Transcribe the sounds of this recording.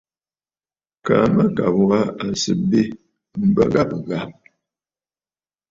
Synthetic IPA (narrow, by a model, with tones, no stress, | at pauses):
ka̰˨˦mə˦ka˨bwa˦a˨n˨sə˨be˦ | m̩˦˨bə̰˦ɡa˦pɣa˨m